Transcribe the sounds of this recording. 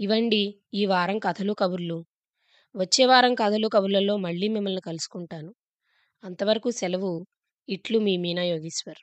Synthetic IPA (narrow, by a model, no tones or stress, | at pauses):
iʋɐɳɖi | iːʋaːɾɐmkɐt̪ʰɐlukɐbuɾlu | ʋɐt͡ʃːeːʋaːɾɐŋkɐd̪ʰʱɐlukɐbuɾlɐlːo̞ːmɐɭːiːmimːɐlnikɐlusu̥kuɳʈaːnu | ɐnt̪ɐʋɐɾɐkusɛlɐʋu | iʈlumiːmiːnaːjo̞ːɡisʋɐɾ